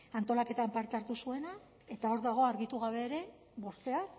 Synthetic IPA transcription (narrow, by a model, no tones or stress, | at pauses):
ant̪o̞lake̞t̪ampaɾt̪eaɾt̪usue̞na | e̞t̪ao̞ɾðaɣ̞o̞aɾɣit̪uɣaβ̞e̞ɾe̞ | bo̞st̪e̞a